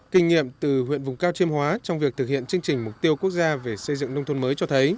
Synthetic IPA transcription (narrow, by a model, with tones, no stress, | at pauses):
kï˧ŋ̟ŋḭ˧˨əmt̪ɨ˨˩wḭ˧˨ənvʊ˨˩ŋ͡mkaː˧wt͡ɕi˧mhwaː˨˦t͡ɕɔ˧wŋ͡mvi˨˩ək̚t̪ʰɨ˨˩k̚hḭ˧˨ənt͡ɕɨ˧ŋt͡ɕï˨˩ŋ̟mʊ˨˩k͡p̚t̪i˧əwku˦˥k̚zaː˧ve˨˩sə˧jzɨ̰˧˨ŋnə˧ŋ͡mt̪ʰo˧nməː˨˦jt͡ɕɔ˧t̪ʰə˨˦j